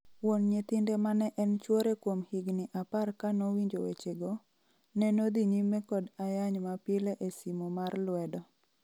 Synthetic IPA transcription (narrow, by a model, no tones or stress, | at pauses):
wonɲet̪ɪndɛmanɛʔɛnt͡ʃwoɾekwomhiɡnɪʔaparkanowiɲd͡ʒowḛt͡ʃeɡo | nɛnod̪iɲimːɛkɔdajaɲmapɪlɛʔesimomarlwɛdɔ